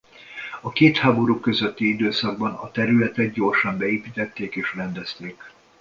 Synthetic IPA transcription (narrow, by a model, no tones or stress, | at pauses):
ɒkeːt̪haːbo̞ɾukːø̞zøt̪ːiid̪øːsɒɡ̚bɒnɒt̪ɛɾylɛt̪ɛd̪̚ɟo̞rʃɒmbɛeːpit̪ɛt̪ːeːkeːʃrɛnd̪ɛst̪eːk